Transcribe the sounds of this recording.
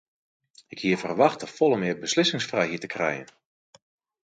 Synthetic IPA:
ɪkhiəfərʋɑxtəfɔlˠəmɪəbəslɪsɪŋsfrɛjɦiətə̥krɛ̰jə̰n

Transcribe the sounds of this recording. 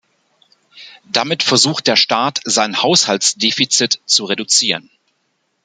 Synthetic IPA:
d̥amɪtfɛɐzuːxt̚d̥eːɐʃtaːtz̥aɪnhaʊshalsd̥eːfit͡sɪtt͡suʁedut͡siːʁən

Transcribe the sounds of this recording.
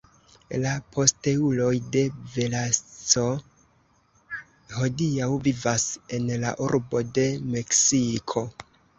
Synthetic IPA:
lapʰo̞ste̞ulo̞jde̞velat͡so̞ | ho̞diawvivase̞nla̰ʔuɾbo̞de̞me̞ksikʰo̞

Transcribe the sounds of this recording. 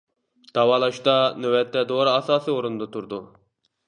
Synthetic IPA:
d̪̥ɑwɑːlˠɑʃt̪ɑnøwɛt̪ʰːɛd̪oɾɨɑsɑːsɨoɾund̪ɑt̪ʰuɾd̪u

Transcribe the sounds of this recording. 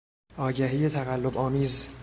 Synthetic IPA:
ʔɒːɟæɦiːjet̪ʰæɣælːobɒːmiːz

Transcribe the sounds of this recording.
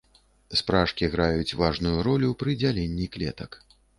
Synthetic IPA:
spɾaʂkʲiɣɾajut͡sʲvaʐnujuɾɔlʲupɾɨd͡zʲalʲɛnʲːiklʲɛt̪ɐk

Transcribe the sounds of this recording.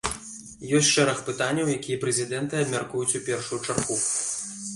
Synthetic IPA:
jɔsʲʂɛɾɐxpɨt̪anʲːɐwjakʲijɛpɾɛzʲid̪ɛnt̪ɨɐbmʲarkujut͡sʲupʲɛrʂujut͡ʂarɣu

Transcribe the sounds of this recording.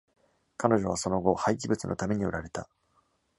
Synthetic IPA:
kano̞ʑo̞βaso̞no̞ɡo̞haik̬ʲibɯ̟t͡sɨnʔot̪ame̞ɲ̟io̰ɾaɾe̞t̪a̰

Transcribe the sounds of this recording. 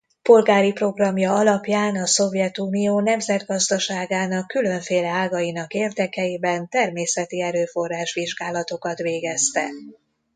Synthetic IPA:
po̞lɡaːɾipro̞ɡrɒmjɒɒlɒpjaːnɒso̞vjɛt̪uːnijoːnɛmzɛd̪ɡɒzd̪ɒʃaːɡaːnɒkːylø̞ɱfeːlɛaːɡɒjinɒkeːrd̪ɛkɛjibɛnt̪ɛrmeːsɛt̪iɛɾøːfo̞rːaːʃʋiʒɡaːlɒt̪o̞kɒt̪ʋeːɡɛst̪ɛ̰

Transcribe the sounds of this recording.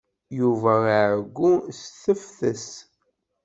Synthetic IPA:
juvæʕɡʷːusθəfθəs

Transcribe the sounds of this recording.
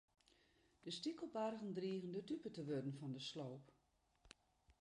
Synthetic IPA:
d̥əstikəlbarɣən̩driəɣəndətypətəʋødən̩fɔndəsloːp

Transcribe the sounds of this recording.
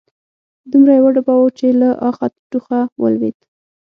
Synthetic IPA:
d̪umɾajawaɖabɑwot͡ʃelaʔɑxat̪̚ʈuxawə̰lwḛd̪

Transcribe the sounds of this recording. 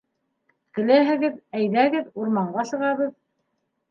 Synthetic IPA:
kɘ̆læɦɘ̆ɡɘðæjðæɡɘðuɾmɑɴɢɑsɤ̆ʁɑβɤð

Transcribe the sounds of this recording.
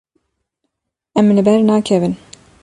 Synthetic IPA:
ɛmlɨbɛɾnɑːkʰɛvɨn

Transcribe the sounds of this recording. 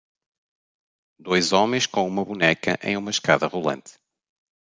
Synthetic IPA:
d̪ojzɔmẽj̃ʃkõumɐβunɛkɐ̰ʔḛ̃j̃umɐʃkaðɐʁulˠɐ̰̃nt̪

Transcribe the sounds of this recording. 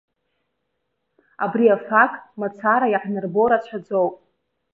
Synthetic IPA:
abriafakʼmat͡sʰaɾajaħnɨrboɾat͡ɕʷʰad͡zowpʼ

